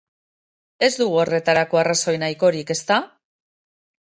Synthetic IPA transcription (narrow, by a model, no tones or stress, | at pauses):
e̞zd̪uɣ̞uo̞re̞t̪aɾako̞araso̞jnajko̞ɾike̞st̪a